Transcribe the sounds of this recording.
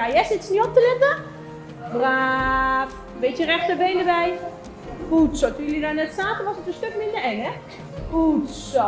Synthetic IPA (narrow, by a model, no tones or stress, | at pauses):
ajɛsɪtsniop̚təlɪtə | bra | ʋetjərɛxtəbejndəbɛj | futsotulidanɛtsaːtənʋɔsətənstøkmɪndərɛnɛ | utso